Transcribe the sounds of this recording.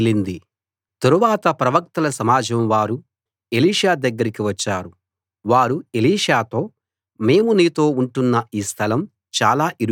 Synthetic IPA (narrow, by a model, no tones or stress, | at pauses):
lind̪i | t̪ɐɾuʋaːt̪ɐpɾɐʋɐk̚t̪ɐlɐsɐmaːd͡ʒɐmʋaːɾu | e̞liːʂaːd̪ɐɡːɐɾikiʋɐt͡ʃːaːɾu | ʋaːɾue̞liːʂaːt̪o̞ː | me̞ːmuniːt̪o̞ːuɳʈunːɐiːst̪ʰɐlɐm | t͡ʃaːlaːʔiɾ